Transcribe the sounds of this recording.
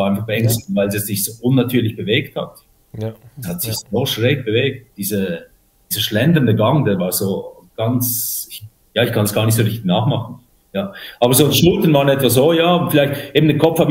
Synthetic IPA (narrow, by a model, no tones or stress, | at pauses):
ʔaɪnfaχb̥əɛŋstvaɪlziɛsz̥ɪçz̥oːʔʊnːatʰyːɐlɪçb̥əveːktha̰t | hatsɪçsoːʃʁɛːk̚b̥əveːk̚td̥iːzə | d̥iːz̥əʃlɛndəndəɡaŋdeːɐvaːzoː | ɡ̥ant͡sɪç | jaːɪçkʰanəsɡ̥aːɐnɪçtz̥oːʁɪçtɪ̥çnaːχmaχn̩ | jaːʔaːbɐzoːʃnʊtənvaːʁənɛtv̥aszoːjaːʊfɪlaɪçtʔeːbmn̩dɛkʰɔpp͡fhaːbɪ